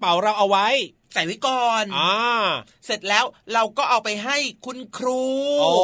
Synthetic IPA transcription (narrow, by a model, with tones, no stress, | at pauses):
pa˩˦wɾa˧wʔa˧wa˦˥j | sa˨˩˦jwa˦˥jkɔː˧na˧ | se˨˩t̪̚lɛː˦˥wɾa˧wkɔː˥˩ʔɔː˨˩pa˧jɦa˥˩jkʰu˧nkʰɾuː˧o˧